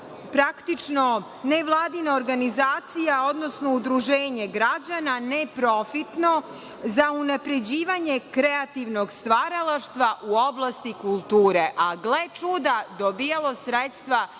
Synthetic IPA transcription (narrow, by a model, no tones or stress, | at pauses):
pɾakt̪it͡ʃno̞ | neʋlˠaːd̪inaoɾɡanizaːt̪sijao̞d̪no̞sno̞ud̪ɾuʒeːɲe̞ɡɾad͡ʑananepɾo̞fit̪no̞ | zaunapɾe̞d͡ʑiːʋaɲe̞kɾeat̪iʋnoɡst̪ʋaɾalˠaʃt̪ʋaʔuo̞blˠast̪ikulˠt̪uːɾeʔaɡlˠet͡ʃud̪ad̪obijalˠo̞sɾet̪st̪ʋa